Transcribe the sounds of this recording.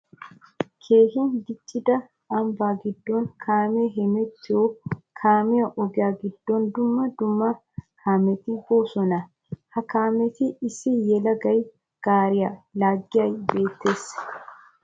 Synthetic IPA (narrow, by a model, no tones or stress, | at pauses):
kʰeːhɪnd̪ɪt͡ʃʼːɪd̪ɐ | ɐmbaːɡɪd̪ːoːŋkʰaːmeɦɛmɛt̪ːɪokʰaːmɪjɐʔɔɡɪjaːɡɪd̪ːond̪ʊmːɐd̪ʊmːɐ | kaːmɛt̪ɪɡoːsɔnɐ | hɐkaːmɛt̪ɪɪsɪjɛlɐɡɐj | ɡ̥aːɾɪjɐlaːɡːɪɐjbe̞ːt̪ːeːs